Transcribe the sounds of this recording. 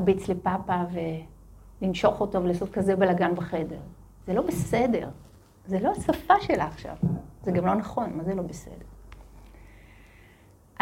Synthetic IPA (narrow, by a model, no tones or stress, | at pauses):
bit͡slepapave̞ | linʃo̞χo̞tovelasotkazebelaɡanbeχe̞deʁ | z̥elo̞bese̞de̞̰ʁ | zelo̞asafaʃe̞laːχʃa̰vzeɡamlo̞naχo̞nmazelo̞bese̞̰de̞ʁ | ʔ